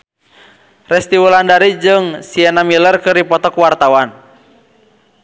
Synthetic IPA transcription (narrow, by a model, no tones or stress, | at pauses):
rɛst̪iwulandaɾid͡ʒɨŋsiɛnamilərkɨripɔt̪ɔkwart̪awan